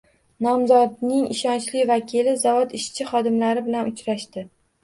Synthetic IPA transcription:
nɒmzɒd̪nɪŋɪʃɒnt͡ʃlɪvakʲʰilɪzavɒd̪ɪʃt͡ʃʰɪχɒd̪ɪmlaɾɪbɪlanʊt͡ʃɾaʃt̪ɪ

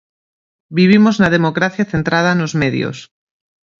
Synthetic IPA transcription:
biβ̞imoznað̞emokɾaθjaθent̪ɾað̞anozmeðj̰o̰s

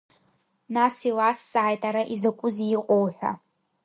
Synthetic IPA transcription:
nasilasːʼaːjtʼaɾaʔizakʷʼʊziqʼowħʷᶣa̰

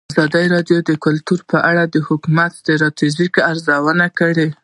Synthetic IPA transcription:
azɑd̪əjɾɑɖjod̪əkʊlt̪uɾpəʔaɽad̪əhʊkumat̪̚d̪əɾɑt̪izikaɾzawənakəɽe

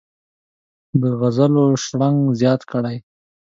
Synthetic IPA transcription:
d̪əɣazaloʃɽaŋɡzjɑt̪kəɽaj

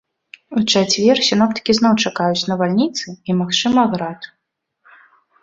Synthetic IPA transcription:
ut͡ʂat͡sʲvʲɛrsʲinɔpt̪ɐ̥kʲiznɔwt͡ʂakajut͡sʲn̪ɐvalʲnʲit̪sɨimaxt͡ʂɨmɐɣɾat̪

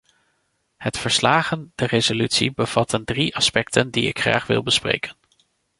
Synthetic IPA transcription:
hətfəɹslaːχəndərezolytsḭbəv̥ɑtəndriʔɑspɛk̚tʰəndiɪ̰kχra̰ːχʋɪ̰lˠbəsprḛjkʰən

